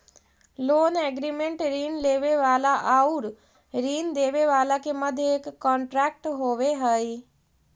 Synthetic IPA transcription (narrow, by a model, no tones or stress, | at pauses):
loːneɡɾimeɳʈɾiːnleːʋeʋaːlaʔauɽ | ɾiːnd̪eːʋeʋaːlakemɐd̪ʱːjeekkːaːɳʈɾaːk̚ʈɦoːʋeɦɐj